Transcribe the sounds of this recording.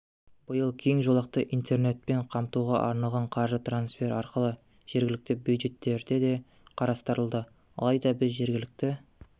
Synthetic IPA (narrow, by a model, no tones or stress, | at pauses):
b̥əjəlˠkʲʰe̞ŋʒo̞lˠɑq̚t̪əʔijnt̪ʰe̞ɾne̞t̪̚pe̞ɴqʰɑmt̪uʁɑ̰ʔɑɾnɑlˠʁɑɴqʰɑɾʒət̪ransfe̞ɾɑɾqəlˠə | ʒ̥e̞ɾɡʲɪlɪk̚t̪ɪbjud̪ʒe̞t̪ːe̞ɾd̪e̞d̪e̞ | qʰɑɾɑst̪əɾəlˠd̪ə | ɑ̰lˠɑjd̪ɑbɪzʒe̞ɾɡʲɪlɪk̚t̪ɪ